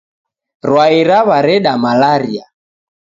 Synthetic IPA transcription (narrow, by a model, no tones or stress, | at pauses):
rwaiɾaβaɾɛɗamalaɾia